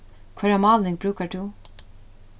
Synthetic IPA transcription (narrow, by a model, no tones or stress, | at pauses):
kʰʋaɾɑmɑːlnɪŋbɾʉːkəɖʉ